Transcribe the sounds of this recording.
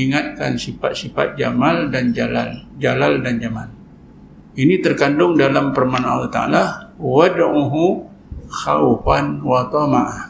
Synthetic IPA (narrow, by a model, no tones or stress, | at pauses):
iŋat̪̚kansifa̰t̪̚sifa̰t̪̚d͡ʒamaldand͡ʒala̰ld͡ʒalaldand͡ʒamal | init̪ərkandʊŋdalampərmana̰lat̪a̰a̰lawəduɦu | xa̰ufanwat̪ɔmaʔah